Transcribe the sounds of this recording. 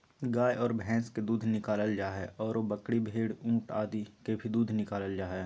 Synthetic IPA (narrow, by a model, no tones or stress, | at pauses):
ɡaːjʔɔːɾbʱɛ̃ːsked̪uːd̪ʱnɪkaːləld͡ʒaːɦɛʔɔːɾobəkɽibʱeːɽũːʈaːd̪ikebʱid̪uːd̪ʱnɪkaːləld͡ʒaːɦɛ